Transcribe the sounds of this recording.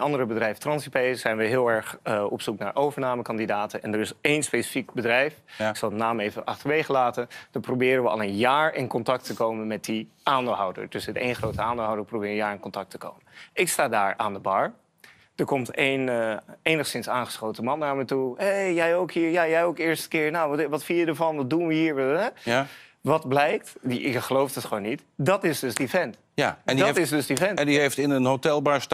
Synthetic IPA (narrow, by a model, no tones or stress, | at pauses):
nɑndəɾəbədrɛjftrɑnsipejz̥ɛjnʋəɦɪːlˠɛɹχɔ̰psuknaːɹʔowvəɹnaːməkɑndidaːtənɛndəɹɪsejnspesi̥fikbədrɛjfɪksɑlˠənaːmejvəʔɑ̰χtəɹʋejχəlaːtənd̥əprowbɪːɾənʋəɑ̰lˠənjaːɹɪnkɔntɑk̚təkowmənmɛt̚di | ʔaːndɪlˠɦɔwdə̰ɹd̥ɵsɪtḛjnχrowtəaːndlˠɦɔwdəɹprobɪːɹənjaːɹɪnkɔntɑk̚təko̰wmənɪkstaːdaːɹaːndəbɑɹ | d̥əɹkɔmtejnejnəχsɪnsaːnχə̥sχowtəmɑnːaːɹmɛtuɦejjɛjowkɦiːɹjaːjɛjowkɪːɹstə̥kɪːɹnawʋɑtfɪnjədəɹvɑnʋɑd̚dunʋəɦiːɹɛ | ʋɑtblɛjk̚tɪkχəlowfdɑtχəʋoːnːit | dɑtɪzdɵzdivɛnt | jaddtɪzdøzdifɛnɛndiɦejftɪnənɦotɛlˠbɑɹst